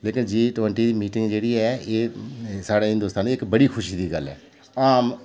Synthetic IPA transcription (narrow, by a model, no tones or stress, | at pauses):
leːkɪnd͡ʒiːʈʊʋəɳʈiːd̪iːmiːʈɪŋɡd͡ʒeːɽiːɛːeːsaːɽeːɦɪ̃nd̪ʊst̪aːnd̪iːɪkbəɽiːkʰʊʃiːd̪iːɡəlɛ̰ː | aːm